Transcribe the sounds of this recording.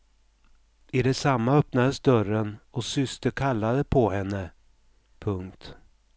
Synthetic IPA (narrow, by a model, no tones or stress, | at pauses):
ɪd̪ɛsamːaœpnad̪əsd̪œɾənɔsʏst̪əkʰalːad̪əpʰɔhɛnːə | pʰɵŋkt̪